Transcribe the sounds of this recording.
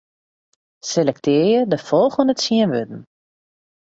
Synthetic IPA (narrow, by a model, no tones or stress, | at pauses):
selɛktʰɪərjədəfɔlˠɣəndəsiənʋødn̩